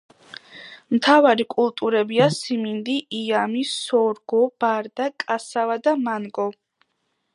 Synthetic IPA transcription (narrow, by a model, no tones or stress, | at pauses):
mt̪ʰavaɾikʼulˠt̪ʼuɾɛbiasimind̪iʔiamisɔɾɡɔb̥aɾd̪akʼasavad̪amanɡɔ